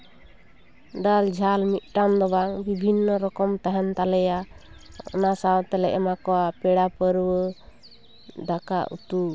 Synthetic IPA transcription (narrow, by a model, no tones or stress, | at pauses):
ɖald͡ʒʱalmit̪̚ˀʈamd̪ɔbaŋbibʱinːɔɾɔkɔmt̪aɦɛnt̪alɛja | ɔ̰nasawt̪ɛlɛʔɛmakɔwapɛɽapəɾwə | d̪aka̰ʔṵt̪u